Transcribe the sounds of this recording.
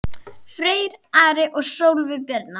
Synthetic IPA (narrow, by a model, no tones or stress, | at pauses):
fɾeːjɾaːɾɪʔɔɣsowlvɪpɛɾt̪na